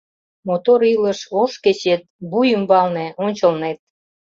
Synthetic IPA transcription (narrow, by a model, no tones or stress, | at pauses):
mot̪oɾilə̆ʃoʃket͡ɕet̪̚bujəmbɑlnĕonʲt͡ɕə̆lnet̪̚